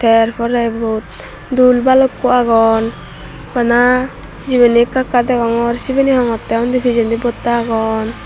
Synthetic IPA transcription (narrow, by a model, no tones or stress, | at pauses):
t̪ʰɛɾpʰɔɾabɔt̪̚ | d̪ulbalɔkːuaɡɔn | bana | d͡ʒiβenikakːad̪ɛɡɔŋɔɾsibeniɦɔŋɔt̪ːɛɔnd̪ipʰid͡ʒɛnd̪ibɔt̪ːaːɡɔn